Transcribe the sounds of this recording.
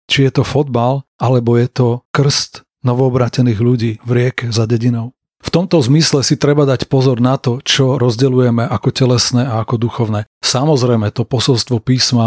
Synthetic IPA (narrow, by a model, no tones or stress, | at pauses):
t͡ʃijɛt̪ɔfɔd̪balʔalɛbɔjɛt̪ɔkr̩st̪ | nɔʋɔːbɾaːcɛniːɣluɟiːvɾɪɛkɛzaɟɛɟinɔʊ | ft̪ɔmt̪ɔzmislɛsit̪ɾɛbad̪acpɔzɔɾnat̪ɔt͡ʃɔɾɔzɟɛlujɛmɛʔakɔcɛlɛsnɛːaakɔd̪uxɔʊnɛsamɔzɾɛjmɛt̪ɔpɔsɔlst̪ʋɔpiːsma